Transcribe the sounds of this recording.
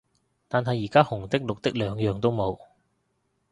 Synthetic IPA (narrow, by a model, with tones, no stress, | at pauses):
t̪aː˨nɦɐ˨jːiː˨˩kaː˥hʊ˨˩ŋt̪ɪ˥k̚lʊ˨k̚t̪ɪ˥k̚lœː˨˥ŋjœː˨ŋt̪o˥wmo˨˧w